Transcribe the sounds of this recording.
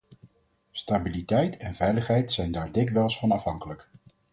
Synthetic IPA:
stabilitɛjtɛnvɛjləχɦɛjtsɛjndaːɹdɪkʋɛlˠsfɑnɑfɦɑŋkələk

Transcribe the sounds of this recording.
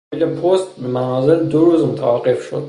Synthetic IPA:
ilepʰost̪bmænɒːze̞ld̪oɾuːzmot̪ʰævæɣe̞fʃo̞̰d̪

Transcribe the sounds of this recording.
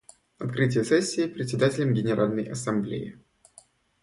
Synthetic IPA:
ɐt̪kɾɨtʲɪjəsɛsʲːiːpɾʲɪtʲsʲɪd̪atʲɪlʲəmɡʲɪnʲɪɾalʲnəjɐsɐmblʲḛjɪ̰

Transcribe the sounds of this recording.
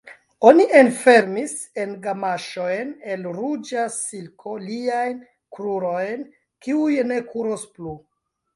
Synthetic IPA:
o̞nienfe̞ɾmis | e̞nɡamaʃo̞jne̞lɾud͡ʒasilkʰo̞liajn | kɾuɾo̞jn | kiujne̞kʰuɾosplu

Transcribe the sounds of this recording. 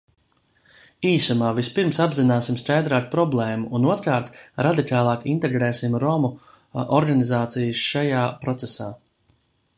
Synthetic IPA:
iːsumaːvispiɾmsabzinaːsimskajd̪ɾaːkpɾɔblˠɛːmuʔunuɔt̪ɾkaːɾt̪ɾad̪ikaːlˠɑːkint̪eɡɾɛːsimɾɔmu | ʔɔɾɡanizaːt̪sijɨsʃajaːpɾɔt̪sesaː

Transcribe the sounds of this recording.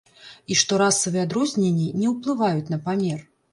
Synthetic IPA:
iʂt̪ɔɾasːɐvɨad̪ɾɔzʲnʲenʲːinʲɛwplˠɨvajut͡sʲnɐpamʲɛr

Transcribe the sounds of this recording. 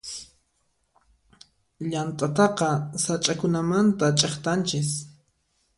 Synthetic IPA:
ʎant̪ʼat̪ɑqɑsat͡ʃʼakʊnamant̪at͡ʃʼeχt̪ant͡ʃɪs

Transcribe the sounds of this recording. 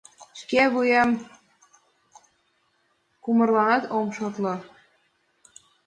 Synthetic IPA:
ʃkeβujɑm | kumɤ̆rlɑnɑt̪omʃot̪lɤ̆

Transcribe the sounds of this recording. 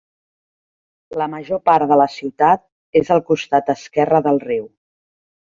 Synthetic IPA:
ləməʒopaɾðələsiwt̪at̪̚ | ezəlˠkust̪at̪̚əskɛrəðəlˠriw

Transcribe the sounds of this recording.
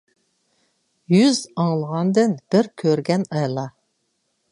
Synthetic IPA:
jyzɑŋlˠəʁɑnd̪ɨnb̥ɪɾkʲʰøɾɡʲɛnɑjlˠɑ

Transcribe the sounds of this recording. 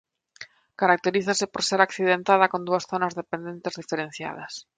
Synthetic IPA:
kaɾak̚t̪eɾiθasepoɾseɾakθiðent̪að̞akond̪uasθonazðepend̪ent̪ezðifeɾẽn̟θja̰ð̞ɐs

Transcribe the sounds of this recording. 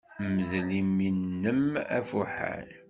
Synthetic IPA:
məzliminːəmæ̰fuħa̰l

